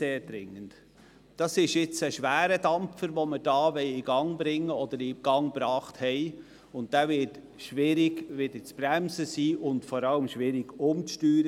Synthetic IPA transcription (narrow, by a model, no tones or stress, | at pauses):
eːɾdɾɪŋːənt | d̥ɑsɪʃɪt͡səʃʋæːɾədɑmpfəɾʋoməd̥ɑːʋɛɪiɡɑŋbɾɪŋːəɔd̪əɾiɡ̥ɑŋb̥ɾɑːχthɛɪ | ʊnt̚d̥æːvɪt | ʃʋɪɾɪɡʋɪd̥̪ət͡sb̥ɾæmzəsiːʔʊndfɔɾɑləmʃʋɪɾɪɡ̥ʊmtyːɾə